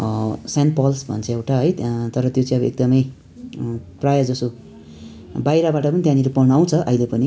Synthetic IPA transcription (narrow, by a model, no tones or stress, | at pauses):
sanpʌlsbʱʌ̰nt͡sʰʌewʈaɦʌjt̪ʌɾʌt̪jot͡saĩʌbʌḛk̚d̪ʌmʌj | prajʌd͡zʌso | bajɾabaʈʌpʌnit̪jãniɾopʌnaw̃t͡sʰʌʔʌ̰ilepʌni